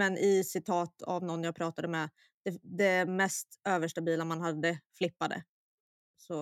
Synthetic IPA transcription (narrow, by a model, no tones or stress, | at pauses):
mɛnʔɪsɪt̪ʰɑːt̪a̰vnɔnːjaːɡpʰɾɑːt̪ad̪əmɛ | d̪̥ɛd̪ɛmɛst̪øːvəʂʈabiːlamanɦad̪ːəflɪpːad̪ə̰ | sɔ